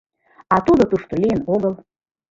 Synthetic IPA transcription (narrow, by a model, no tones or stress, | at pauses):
ɑt̪ud̪ot̪uʃt̪olʲijənoɣəlˠ